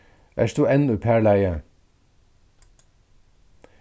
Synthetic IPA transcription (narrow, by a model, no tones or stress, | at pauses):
ʔæ̰ːst̪uːɛnʉːpʰæːɭæɪə